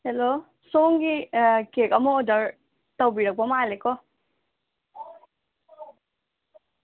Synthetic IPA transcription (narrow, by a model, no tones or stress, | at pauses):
helo | soŋɡikekʌmɔːdʌɹ | tʌwbiɾʌk̚ɔmalekɔ